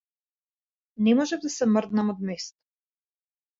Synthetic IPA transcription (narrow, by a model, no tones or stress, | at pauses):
nɛmɔʒɛvd̪asɛmrd̪namɔd̪mɛst̪ḁ